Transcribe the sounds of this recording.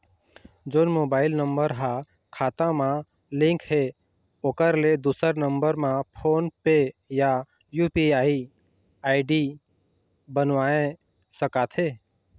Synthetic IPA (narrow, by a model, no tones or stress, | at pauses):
d͡ʒoːnmoːbaːɪlnə̃mbəɾɦa | kʰaːt̪ãmã | lɪ̃ŋkɦe | okəɾled̪uːsəɾnə̃mbəɾmãpʰoːnpeja | juːpiaːi | aːɪɖi | bənʋaːẽ | səkaːt̪ʰɦeː